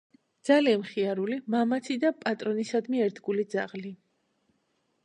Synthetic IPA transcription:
d̪z̥alianχiaɾulimamat̪ʰid̪apʼat̪ʼɾɔnisad̪miɛɾd̪ɡulid̪za̰ʁli

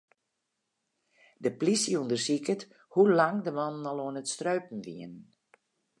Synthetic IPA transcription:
dəplisiundərsikət | hulaŋdəmɔnːɔlˠoənətstrøɥpn̩ʋḭən

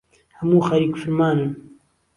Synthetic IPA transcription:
hɐmuːxɐɾiːkfɨɾmaːnɨn

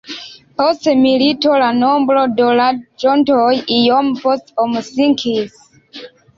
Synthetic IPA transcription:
hosemilitolanombɾodolad̚d͡ʒɔntojijompostɔmsiŋkʰis

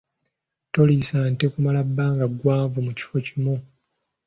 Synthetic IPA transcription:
to̞lisaːnte̞kumalabːaːŋɡaɡːwaːɱvumuci̥fo̞cimu

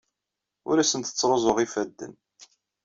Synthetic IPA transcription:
ʊ̰ɾæsənt̪ə̥t͡sːɾˤozˤoʁifæd̪ːə̰n

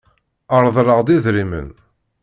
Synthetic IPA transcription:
əɾˤðˤɾˤəʁd̪iðɾimə̰n

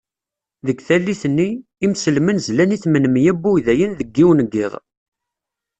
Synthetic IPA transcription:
ðəɡθælːiθənːiː | msəlmənzlæniθmənmjæbːujðæjənðəɡːiwnəɡːɪðˤ

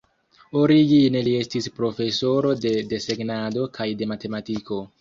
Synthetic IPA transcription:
oɾiɡinelie̞stispɾo̞fe̞so̞ɾo̞de̞de̞se̞ɡnado̞kʰajde̞mate̞matiko̞

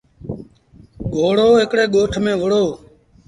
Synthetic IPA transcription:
ɠʱoːɽoːɦɪkɽeːɠoːʈʰmẽːʋəɽoː

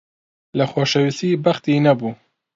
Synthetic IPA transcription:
lɐxoːʃɛwisiːbɐxt̪iːnɐbuː

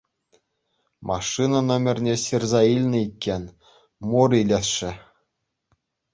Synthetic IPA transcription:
mʔɑʂːɨnɑnŏmʲɘ̆rʲnʲeɕirʲzɑilʲnʲɘ̆ikʲːenʲ | murilʲeʂɘ̆

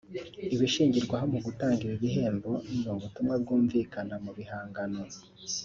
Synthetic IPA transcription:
iβiʃiːɲɟiɾɡwaɦomuɡutaːŋɡiɾiβiɦe̞ːmbo̞nimuβutumŋab̚ɡuːɱviːkanamuβihaːŋɡano

